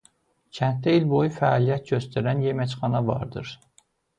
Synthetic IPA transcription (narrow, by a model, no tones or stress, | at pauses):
cʰænt̪̚d̪æilbo̞jufæɑːlijæt̪̚ɟøst̪æɾænjemæt͡ʃχɑnɑvɑ̰ɾd̪ɯ̰ɾ